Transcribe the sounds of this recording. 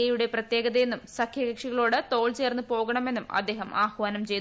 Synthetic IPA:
ɐjuɽe̞prɐt̪jeːɡɐðɐjenːumsɐkʰjɐɣɐkʂiɣɐɭo̞ːɽɨt̪o̞ːɭt͡ɕe̞ːrnːupo̞ːɣɐɳɐme̞nːumɐ̰d̪ːe̞ːɦɐmʔaːhʋaːnɐmt͡ɕe̞j̪

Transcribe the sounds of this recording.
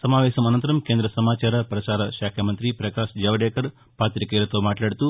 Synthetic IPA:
sɐmaːʋɛːʃɐmɐnɐnt̪ɐɾɐmkeːnd̪ɾɐsɐmaːt͡ʃaːɾɐpɾɐsaːɾɐʃaːkʰɐmɐnt̪ɾipɾɐkaːʃd͡ʒɐʋɐɖɛːkɐɾ | paːt̪ɾikiːlɐt̪o̞ːmaːʈlaːɽut̪uː

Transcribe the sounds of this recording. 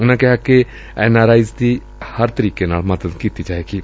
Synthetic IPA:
ʊnãkɛɦake | ɛːnaːɾaːɪzd̪iː | həɾt̪əɾiːkena̰ːlməd̪əd̪kiːt̪id͡ʒaːeːɡiː

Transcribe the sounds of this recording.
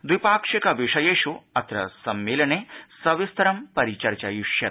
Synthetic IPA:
d̪ʋipaːkʂikɐʋiʂɐjeːʃuɐt̪ɾɐ̰sɐmːeːlɐnesɐʋist̪ɐɾɐmpɐɾit͡ʃɐɾt͡ʃa̰juʃjɐ

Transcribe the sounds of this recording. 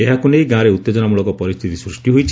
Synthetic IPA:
eɦakunejɡãɾeut̪ːed͡ʒɔnamuɭɔkɔpɔɾist̪ʰit̪isɾusʈiɦojt͡ʃʰ

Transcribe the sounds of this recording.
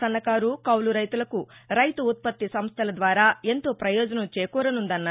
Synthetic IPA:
ɐnːɐkaːɾukɐwluɾɐjt̪ulɐkuɾɐjt̪uːt̪̚pɐt̪ːisɐmst̪ʰɐlɐd̪ʋaːɾaːe̞nt̪oːpɾɐjɔːd͡ʒɐnɐmt͡ʃɛjɐkɔːɾɐnund̪ɐnːa

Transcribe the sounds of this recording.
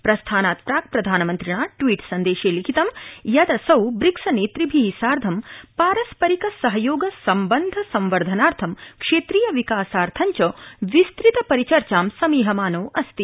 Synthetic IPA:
pɾɐst̪ʰaːnaːt̪̚pɾaːk̚pɾɐd̪ʱaːnɐmɐnt̪ɾiɳ̃aːʈʋiːʈsɐnd̪eːʃeːlikʰit̪ɐmjɐd̪ɐsɐwbɾiksɐneːt̪ɾibʱiisaːɾd̪ʱɐmpaːɾɐspɐɾikɐsɐɦɐjoːɡɐsɐmbɐnd̪ʱɐsɐ̃mʋɐɾd̪ʱɐnaːɾt̪ʰɐmkʂeːt̪ɾiːjɐʋikaːsaːɾt̪ʰɐɲt͡ʃɐʋist̪ɾit̪ɐpɐɾit͡ʃɐɾt͡ʃaːmsɐmiːɦɐmaːnoːʔɐst̪i

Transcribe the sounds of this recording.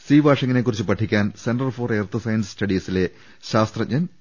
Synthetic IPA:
siːbaːʂiŋːɐnekːurit͡ɕːɨpɐʈʰːikʲːaːnsenɖɐrfo̞ːreːrt̪ʰɐsɐjɐnsstɐɽisile̞ | ɕaːst̪rɐɲɲɐn

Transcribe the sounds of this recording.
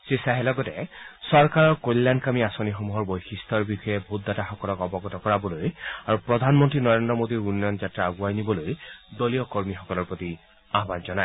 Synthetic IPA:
sesaɦɛlɔɡɔtɛsɔɹkaɹɔɹkolːankamiasonixomuɦɔɹbojxʰistʰɔɹbixɔjɛbʱut̚d̪ataxɔkɔlɔkɔbɔɡɔtɔkɔɹabɔlojaɹupɹɔd̪ʱanmɔntɹinɔɹendɹɔmod̪iɹunːjɔnzatɹaːɡuajnibɔlojdoliɔkɔɹmixɔkɔlɔɹpɹot̪i | aɦbanzɔna

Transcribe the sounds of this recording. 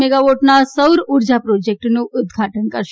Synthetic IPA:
meɡaʋoʈnasəwɾuɾd͡ʒapɾod͡ʒek̚ʈnũʔʊd̪ɡʱaʈənkəɾʃ

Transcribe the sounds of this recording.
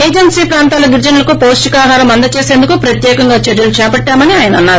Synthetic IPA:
eːd͡ʒensiːpɾaːnt̪aːlɐɡiɾd͡ʒɐnɐlɐkupoːsʈikaːɦaːɾɐmɐnd̪ɐt͡ʃeːse̞ːnd̪ukupɾɐt̪jɛːkɐŋɡaːt͡ʃeɾjɐlut͡ʃɛːpɐʈːaːmɐniaːjɐnɐɐnːaːɾu

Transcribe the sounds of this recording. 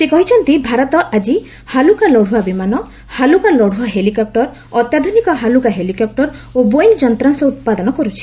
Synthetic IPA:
sekɔɦit͡ʃʰɔnt̪ibʱaɾɔt̪ɔʔad͡ʒi | halukalɔɽ̤uabimanɔ | halukalɔɽ̤uaɦelikɔp̚ʈɔɾ | ɔt̪jad̪ʱunikɔɦalukaɦelikɔp̚ʈɔɾobojŋd͡ʒɔnt̪ɾaŋsɔut̪̚pad̪ɔnɔkɔɾut͡ʃʰi̥

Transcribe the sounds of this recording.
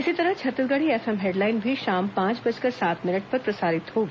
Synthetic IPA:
ɪsit̪ɐɾət͡ʃʰɐt̪əɾɡɐɽieːfɛmɦeːɖlaːɪnbʱiʃaːmpãːt͡ʃbɐd͡ʒkɐɾsaːt̪mɪnəʈ̚pɐɾpɾɐsaːɾɪt̪ɦoːɡ

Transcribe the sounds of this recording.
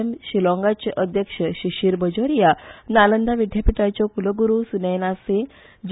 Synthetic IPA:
mɕilɔ̃ŋɡat͡ɕeʔəd̪ʱjəkɕəɕiɕiːɾbəd͡ʑoɾijanalənd̪ʱaʋiɖʱjapiʈat͡ɕjɔkuləɡuɾusunəjnasẽ | d͡ʑ

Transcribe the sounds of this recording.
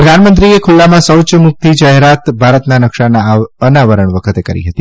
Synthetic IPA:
pɾəd̪ʱanmənt̪ɾiekʰulːamãsəwt͡ʃmuk̚t̪ʰid͡ʒaɦeɾat̪bʱaɾət̪nanəkʃanaənaʋəɾəɳ̃ʋəkʰət̪ekə̰ɾḭɦət̪i

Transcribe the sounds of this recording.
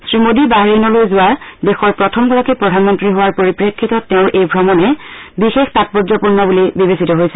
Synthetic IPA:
sɹimodibaɦɹinɔlojzʊwadɛxɔɹpɹɔtʰɔmɡɔɹakipɹɔdʱanmɔntɹiɦowaɹpoɹipɹekʰːitɔtːeʊ̃ɹʔejbʱɹɔmɔnɛbixextat̚pɔdzɔpuɹnɔbulibibesitɔɦojsɛ

